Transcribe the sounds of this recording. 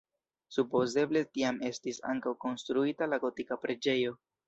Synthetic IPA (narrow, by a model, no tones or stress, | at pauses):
supo̞ze̞ble̞tiame̞stisa̰ŋkawko̞nstɾuitalaɡo̞tikapɾe̞d͡ʒe̞jo̞